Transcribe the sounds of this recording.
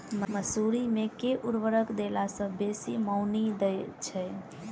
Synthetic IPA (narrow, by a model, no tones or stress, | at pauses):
mməsuɾimekeʔuɾʋəɾəkd̪elasə̃besiməʊnid̪əjt͡ʃʰɛ